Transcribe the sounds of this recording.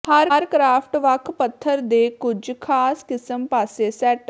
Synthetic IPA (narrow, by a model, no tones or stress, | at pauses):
haːɾːɾkɾaːpʰʈʋəkʰpət̪ʰːəɾd̪eːkʊd͡ʒkʰaːskɪsəmpaːseːsɛːʈ